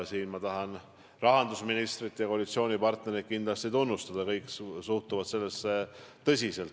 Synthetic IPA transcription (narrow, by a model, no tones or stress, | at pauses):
siːnmɑt̪ɑɦɑn | rɑɦɑnd̪usminist̪ɾit̪ːˑjɑkolit̪sio̞ːnʲipɑrt̪ne̞ɾit̪̚kind̪̥lɑst̪it̪unːust̪ɑd̪̥ɑkɤjksuht̪uvɑt̪se̞lːesːet̪ɤsʲise̞lt̪